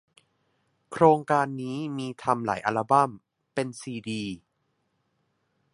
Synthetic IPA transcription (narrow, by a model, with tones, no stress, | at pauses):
kʰɾoː˧ŋkaː˧nːiː˦˥miː˧t̪ʰa˧mla̰ː˩˦jʔa˧la˧ba˥˩m | pe˧nsiː˧diː˧